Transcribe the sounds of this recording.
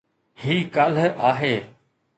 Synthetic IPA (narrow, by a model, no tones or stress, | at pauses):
hiːkəl̤aːɦeː